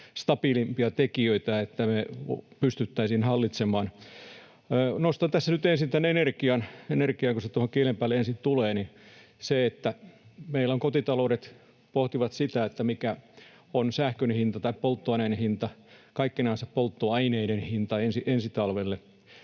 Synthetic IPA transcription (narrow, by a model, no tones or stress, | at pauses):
st̪ɑpilimpiɑt̪ekiøit̪æet̪ːæmepyst̪yt̪ːæisinhɑlːit̪semɑːnː | nost̪ɑnt̪æsːænyt̪ensint̪ænenerkiɑnenerkiɑkuset̪uohokielempæːleensint̪uleːni | seet̪ːæmeilːoŋkot̪it̪ɑlouɾet̪ | poht̪iʋɑt̪sit̪æet̪ːæmikæ | onsæhkønhint̪ɑt̪ɑippolt̪ːoɑineinehint̪ɑkɑikːinɑinsɑppolt̪ːoɑineiɾenhint̪ɑensiʔensit̪ɑlʋelːe